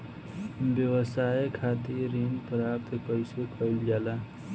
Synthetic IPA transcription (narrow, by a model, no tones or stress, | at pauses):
bjəwəsajkʰat̪iɾinpɾapt̪kəɪsekʰəɪld͡ʒala